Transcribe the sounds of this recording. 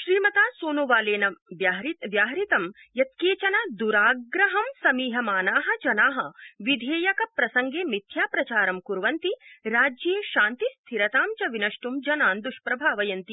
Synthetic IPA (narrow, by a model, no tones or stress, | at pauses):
ʃɾiːmɐt̪aːsoːnoːʋaːleːnɐʋjaɦɾiʋjaːɦɾit̪ɐm | jɐt̪̚keːt͡ʃɐnɐd̪uɾaːɡɡɾɐɦɐmsɐmiːɦɐmaːnaːɦɐ̆d͡ʒɐnaːɦɐ̆ʋid̪ʱeːjɐkɐpɾɐsɐŋɡeːmid̪ʱʰjaːpɾɐt͡ʃaːɾɐmkuɾʋɐnt̪iɾaːd͡ʒjeːʃaːnt̪ist̪ʰiɾɐt̪aːmt͡ʃɐʋinɐʂʈumd͡ʒɐnaːnd̪uʃpɾɐbʱaːʋɐjɐnt̪i